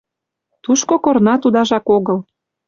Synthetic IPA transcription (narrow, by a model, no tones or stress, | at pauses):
t̪uʃkokornɑt̪ud̪ɑʒɑkoɣɤl